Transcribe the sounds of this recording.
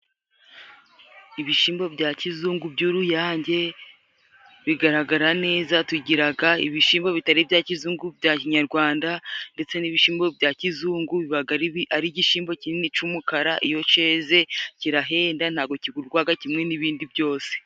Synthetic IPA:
iβiʃiːmbo̞bɟaːcizuːŋɡubɟuɾujaːɲɟe̞ | βiɡaɾaɡaɾane̞ːzatuɟiɾaɡaḭβiʃiːmbo̞βitaɾibjaːcizuːŋɡubɟaːciɲaɾɡwaːndande̞t͡se̞niβiʃiːmbo̞bɟaːcizuːŋɡuβiβaɡaɾiaɾiɟiʃiːmbo̞cininit͡ʃumukaɾaʔijo̞t͡ʃe̞ze̞ciɾaɦe̞ːndanhaːɡo̞ciɡuɾɡwaːɡacimŋe̞niβiːndibjo̞ːse̥

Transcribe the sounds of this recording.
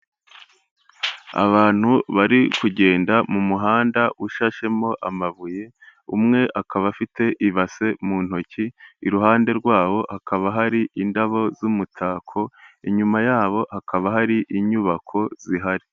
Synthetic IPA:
a̰βaːn̥huβaɾikuɟe̞ːndamumuɦaːndaʔuʃaʃe̞mo̞ʔamaβuje̞ | ṵmŋe̞ʔakʰaβafitʰe̞ʔiβase̞muːn̥ho̞ciːɾuɦaːnde̞ɾɡwaːβo̞hakʰaβaɦaɾiʔindaβo̞zumutʰaːkʰo̞iɲumajaːβo̞hakʰaβaɦaɾiʔiɲuβakʰo̞z̥iɦaɾi

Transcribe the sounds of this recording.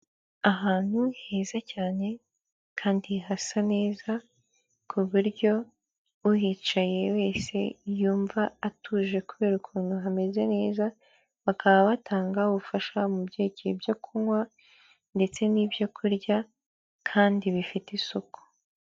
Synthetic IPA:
aɦaːn̥huhe̞ːzacaːne̞ | kʰaːndiɦasane̞ːza | kʰuβuɾɟo̞ | uhiːt͡ʃaje̞we̞ːse̞̰juːɱvaːtuːʒe̞kuβe̞ːɾukʰuːnhuɦame̞ze̞ne̞ːza | βakaβaβatʰaːŋɡaβufaʃamubɟe̞ːɟebjokʰuŋwa | nde̞t͡se̞niːbjo̞kʰuɾɟa | kʰaːndiβifitisoku̥

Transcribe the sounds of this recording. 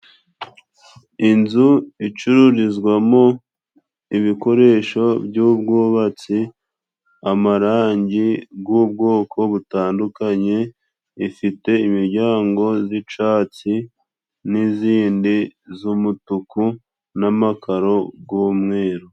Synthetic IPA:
inzuit͡ʃuɾuɾizɡwamo̞ | iβiko̞ɾe̞ːʃo̞bjuːbɡoːβat͡si | amaɾaːɲɟibɡub̚ɡo̞ːkʰo̞βutaːndukaɲe̞ː | fite̞imiɾɟaːŋɡo̞zit͡ʃaːt͡si | niziːndizumutuku | namakaɾo̞ɡuːmŋeːɾo

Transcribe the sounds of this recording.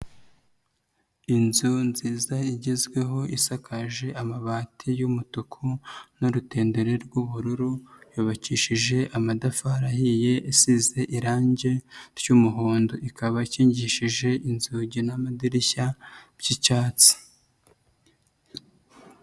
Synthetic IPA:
inzunziːzaiɟizɡwe̞ɦo̞ʔisakʰaʒe̞ʔamaβaːtʰijumutukʰunoɾute̞ːnde̞ɾe̞ɾɡwuβuɾuɾujoβaciːʃiʒe̞ʔamadafaɾahije̞ʔisize̞ʔiɾaːɲɟe̞ɾjuːmuɦoːndoʔikʰaβaciːɲɟiʃiʒe̞ʔinzuɟinamadiɾiçab̥ɟit͡ʃaːt͡si̥

